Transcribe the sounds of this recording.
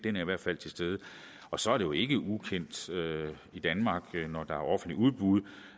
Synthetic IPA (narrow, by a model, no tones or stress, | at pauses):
d̥enæɐiʋæɐ̰d̥fæl̰t͡sʰe̝sd̥eːð̞ˠə | ɒ̽sɒ̽æɐɾe̝joe̝ɡ̥əʔukʰen̰d̥ø | id̥ænmɑ̈ːɡ̥nɒd̥ɑ̈æɐɒ̽fn̩d̥liuð̞ˠb̥uðˠ